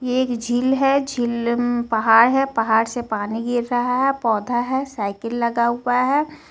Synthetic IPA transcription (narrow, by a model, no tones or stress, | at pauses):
jeːkd͡ʒʱɪlɦɛd͡ʒʱilpɐɦaːɾɦɛpɐɦaːɾsepaːniɡɪɾːɐɦaɦɛpɔːd̪ʱaɦɛsaːɪkəlːɐɡaʊwaɦɛ